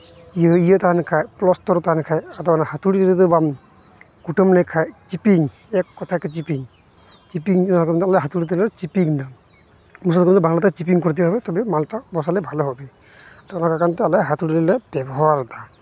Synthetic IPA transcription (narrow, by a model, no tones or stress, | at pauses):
ijəijət̪aɦanɛkʰajplɔstɔɾt̪aɦanɛkʰajat̪ɔanahat̪uɽit̪ilit̪ɔbam | kuʈɔmnɛkʰajt͡ʃipiŋ | ɛkːɔt̪ʰakɔt͡ʃipiŋ | t͡ʃipiŋnakɔnt̪alɛɦat̪uɽit̪iɾt͡ʃipiŋd̪a | mus̬ɔt̪kmnt̪ɔbaŋlat̪at͡ʃip̬iŋkɔɾit̪̬ibɦɔbɛt̪ɔbimaltabɔsalɛbʱalɔɦɔbɛ | t̪ɔnakakant̪ɔalajɦat̪uɽilɛlɛbɛbɔɦawaɾt̪a